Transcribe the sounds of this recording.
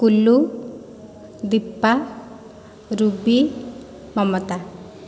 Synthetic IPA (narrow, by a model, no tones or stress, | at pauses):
kulːu | d̪ipːa | ɾubi | mɔmɔt̪a